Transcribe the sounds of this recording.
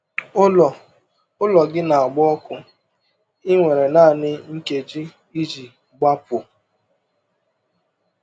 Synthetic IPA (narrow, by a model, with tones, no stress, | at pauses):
ʊ˦lɔ˨ɡɪ˦na˨a˨ɡ͡bɔ˦ɔ˦kʊ˦ | ɪ˦ŋʷe˨ɾe˨naː˦˨nɪ˦ŋ̩˦ke˨d͡ʒi˦ | i˦d͡ʒi˨ | ɡ͡ba˦pʊ˨